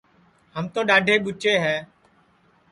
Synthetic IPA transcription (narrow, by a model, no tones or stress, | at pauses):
həmt̪õːɗaːɖʱeːɓʊt͡ʃeːɦɛː